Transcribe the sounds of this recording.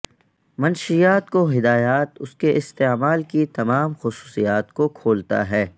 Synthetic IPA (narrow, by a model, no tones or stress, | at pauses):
mɐnʃijaːt̪koɦɪd̪aːjaːt̪ʊskeʔɪst̪eːmaːlkit̪ɐmaːmxʊsu̥ːsijaːt̪kokʰoːlt̪a̰ɦɛː